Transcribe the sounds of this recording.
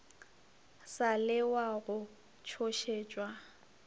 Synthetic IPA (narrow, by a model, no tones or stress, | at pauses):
salɪwaɣʊ | t͡ʃʰoʃeːt͡ʃʼwa